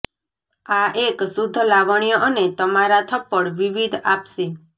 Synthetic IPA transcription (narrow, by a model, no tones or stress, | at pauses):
aʔeksud̪ʱːəlaʋəɳ̃ijɔʔənet̪əmaɾat̪ʰəpːəɽʋiʋid̪ʱapse